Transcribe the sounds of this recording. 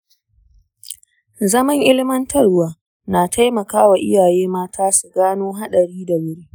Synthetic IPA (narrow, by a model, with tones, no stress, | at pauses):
zɐ˦mɐ˦ŋʔɪ˦lɪ˦mɐ˦ntɐ˦˨rʊ˦waː˨ | naː˨tʰa˦jmɐ˨kaː˦wa˨ʔɪ̰˦jaː˨jeː˦maː˦tʰaː˦su˨ɡaː˦noː˦ɦa˦ɗɐ˨ɽiː˦da˨wʊ˦ɽiː˦